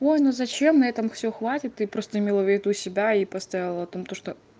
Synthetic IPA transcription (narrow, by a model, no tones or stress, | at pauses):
o̞jnozɐt͡ɕe̞mnɐɛt̪əmfsʲɵxvatʲɪt̪ɨpɾo̞st̪əɪmʲelˠəvʲɪd̪usʲɪbʲaipɐst̪avʲɪlˠəɐt̪o̞mt̪oʂt̪o